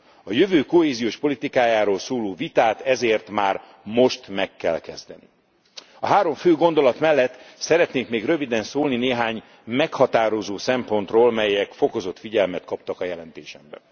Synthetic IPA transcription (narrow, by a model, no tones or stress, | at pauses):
ɒjøvøːko̞ɦeːzijoːʃpo̞lit̪ikaːjaːɾoːlsoːloːvit̪aːt̪ɛzeːrt̪maːr | mo̞ʃt̪mɛkːɛ̰lkɛzd̪ɛnḭ | ɒɦaːɾo̞ɱføːɡo̞nd̪o̞lɒt̪mɛlːɛt̪ːsɛɾɛt̪neːŋkmeːɡrø̞vid̪ɛnsoːlnineːɦaːɲ | mɛkhɒt̪aːɾo̞zoːsɛmpo̞n̪t̪roːlmɛjɛkfoko̞zo̞t̪fiɟɛlmɛt̪kɒpt̪ɒkɒjɛlɛnt̪eːʃɛmbɛ̰